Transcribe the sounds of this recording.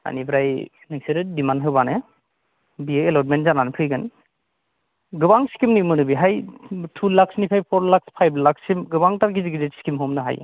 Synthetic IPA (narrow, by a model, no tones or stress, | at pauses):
a̰nibʰɾaj | nekseɾɯdimanɦɯbanɯ | biɯelɔt̚mentzananpʰɯjɡɯn | ɡɯbaŋskimnimɯnɯbiɦajtʰulak̚snipʰajpʰɔɾlak̚spʰajblaksimɡɯbaŋtaɾɡiziɡidetsi̥kimɦɔmnɯɦa̰j̰